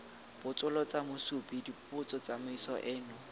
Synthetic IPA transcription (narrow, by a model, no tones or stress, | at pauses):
b̥ʊt͡sʼʊlɔt͡samʊsupidipʼʊt͡sʼɔt͡samʊisɔʔɪːnʊ